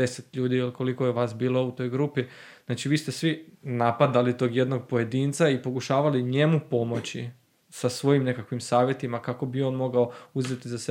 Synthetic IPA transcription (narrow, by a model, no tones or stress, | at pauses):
eset̪ʎuːd̪iliko̞liko̞jeʋaːsbiːlˠo̞ut̪o̞jɡɾupiznaːt͡ʃiʋiːst̪e̞sʋinapad̪alit̪o̞ɡje̞d̪no̞ɡ̚po̞je̞d̪iːnt̪saipo̞kuʃaːʋaliɲe̞mupo̞mo̞t͡ɕi | sasʋo̞jimne̞kakʋimsaːʋje̞t̪imakako̞bio̞nmo̞ɡaouzet̪izase